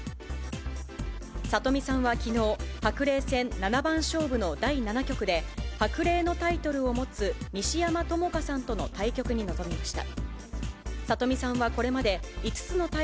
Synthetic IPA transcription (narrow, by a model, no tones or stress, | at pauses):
sat̪o̞mʲisãɰ̃βakʲino̞ːhakɯ̟ɾe̞ːsẽ̞nːanabãɰ̃ɕo̞ːbɯ̟no̞d̪ainanakʲo̞kɯ̟d̪e̞hakɯ̟ɾe̞ːno̞t̪ait̪o̞ɾɯ̟o̞mo̞t͡sɨmʲiɕijamat̪o̞mo̞kasãnt̪o̞no̞t̪aikʲo̞kɯ̟ɲ̟ino̞zo̞mʲimaɕi̥t̪a̰ | sat̪o̞mʲisãɰ̃βako̞ɾe̞mad̪e̞it͡sɨ̥t͡sɨno̞t̪a